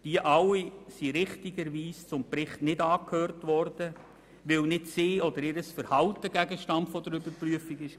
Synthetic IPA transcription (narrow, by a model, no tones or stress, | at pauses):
d̥iəʔɑwːisiɾɪχtiɡəɾʋiːst͡sʊmpɾɪχtnɪdɑːkhøːrtʋɔrd̥ə | ʋɪwnɪtsɪːɔd̪əɾɪɾəsfəɾhɑltəɡæɡəʃtɑntfɔdəɾʏbəɾpryəfiɡɪʃ